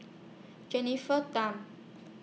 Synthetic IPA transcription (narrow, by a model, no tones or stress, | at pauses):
d͡ʒɛnifət̪am